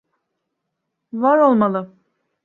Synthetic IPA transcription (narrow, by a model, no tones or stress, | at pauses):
vaɾo̞lˠmalˠɯ